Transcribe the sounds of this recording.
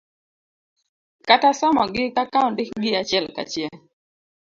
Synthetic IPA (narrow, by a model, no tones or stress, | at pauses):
katasɔmɔɡɪkakaʊndɪkɡɪat͡ʃɛlka̰t͡ʃjɛ